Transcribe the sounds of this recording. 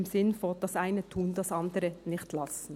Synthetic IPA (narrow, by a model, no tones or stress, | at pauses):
msɪnfod̥ɑsʔaɪnətʰuːndɑsɑndəɾənɪçtlɑsn̩